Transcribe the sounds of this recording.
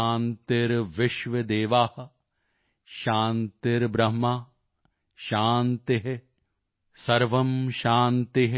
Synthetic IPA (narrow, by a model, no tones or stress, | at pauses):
aːnt̪iɾʋɪʃʋɐd̪eːʋaːhɐ̆ | ʃaːnt̪iɾbɾɐɦmaː | ʃaːnt̪eɦe | sɐɾʋɐmʃaːnt̪iɦ